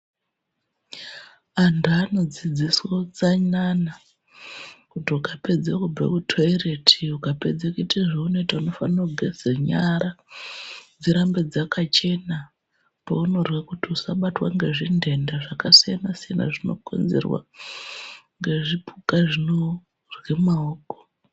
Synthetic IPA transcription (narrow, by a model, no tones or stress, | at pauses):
anduano̞d͡zid͡ziswot͡saɲana | kutiukape̞d͡zekubḛkutʰoere̞tʰiukape̞̰d͡zekuitaʐaunoitauno̞fanuɡʱeseɲaɾa | d͡ziɾambe̞d͡zakat͡ʃe̞na | pauno̞rwakutiusaɓatwa̰ŋɡe̞ʐinde̞ndaʐakasijanasijana̰ʐino̞̰kʰo̞̰nzḛrwa̰ | ŋɡe̞ʐipʰukaʐino̞ | rwe̞maoːko̥